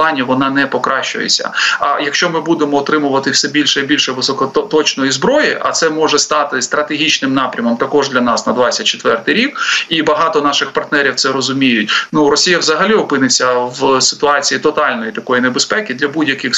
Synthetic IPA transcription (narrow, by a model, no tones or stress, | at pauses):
ɑnʲiʋɔnɑnɛpɔkɾɑʃt͡ʃʊ̰jḛt͡sʲːɐ̰ɐ̰jɐkʃt͡ʃɔmɪbud̪emɔːt̪ɾɪmʊʋɐt̪ɪwsɛbʲilʲʃɛibʲilʲʃɛʋɪsɔkɔt̪ɔt͡ʃnɔjizbɾɔjiʔɐ̰t̪sɛmɔʒɛst̪ɑt̪ɪst̪ɾɐt̪eɦʲit͡ʃnɪmnɑpɾʲɐmɔmt̪ɐkɔʐd̪lʲɐnɑsnɐd̪ʋɑsʲɐt̚ʲt͡ʃe̥t̪ʋɛrt̪ɪjɾʲikibɐɦɑt̪ɔnɑʃɪxpɐrt̪nɛɾʲiwt̪sɛɾɔzʊmʲijʊt̚ʲnuɾɔsʲijɐwzɐɦɐlʲiɔpɪnɪt͡sʲːɐwsɪ̥t̪ʊɑt͡sʲijit̪ɔt̪ɑlʲnɔjit̪ɐkɔjinebespɛkʲid̪lʲɐbudʲjɐkɪx